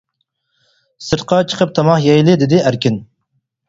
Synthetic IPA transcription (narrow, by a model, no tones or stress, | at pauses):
sɨɾt̪̚qʰɑt͡ʃʰə̥qʰəp̚t̪ʰɑmɑχjɛjlˠɪd̪ɪd̪ɪæɾkʲʰin